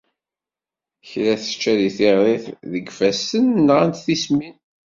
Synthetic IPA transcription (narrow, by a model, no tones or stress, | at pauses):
çɾæθə̥t͡ʃːæðiθɪʁðɪθðəɡfæsənːʁant̪θismin